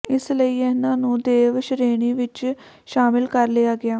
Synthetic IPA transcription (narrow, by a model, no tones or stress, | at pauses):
ɪsləiːɛnãːnũːd̪eːʋʃəɾeːɳ̃iːʋɪt͡ʃ | ʃaːmɪlkəɾleːaːɡɪaː